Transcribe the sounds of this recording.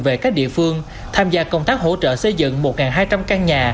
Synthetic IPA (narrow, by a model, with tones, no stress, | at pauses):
ve˨˩kaː˦˥k̚ɗḭ˧˨fɨ˧əŋ | t̪ʰaː˧mzaː˧kə˧˩wŋ͡mt̪aː˦˥k̚ɦo̰˧˥t͡ɕə̰ː˧˨sə˧jzɨ̰˧˨ŋmo˨˩t̚ŋaː˨˩ŋɦaː˧jt͡ɕa˧mkaː˧ŋɲaː˨˩